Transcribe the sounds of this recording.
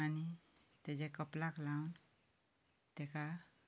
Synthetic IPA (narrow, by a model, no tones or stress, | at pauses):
ani | t̪ed͡ʒekəplaklawn | t̪eka